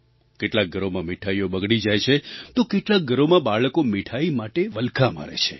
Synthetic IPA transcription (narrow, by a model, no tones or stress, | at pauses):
keʈlak̚ɡʱəɾomãmiʈʰaiobəɡɽid͡ʒajt͡ʃʰet̪okeʈlak̚ɡʱəɾomãbaɭəkomiʈʰaimaʈeʋəlkʰama̰ɾḛt͡ʃʰe